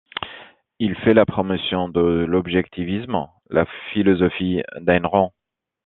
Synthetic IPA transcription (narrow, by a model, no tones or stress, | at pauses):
ilfɛlapχɔmɔsjɔ̃d̪əlɔbʒɛk̚t̪ʰivism | lʔafilɔzɔfid̪ɛnʁɔ̃